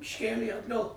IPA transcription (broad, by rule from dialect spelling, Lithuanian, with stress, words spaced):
ɪʃʲˈkʲeːlʲeː ɐdˈɡɐlˠ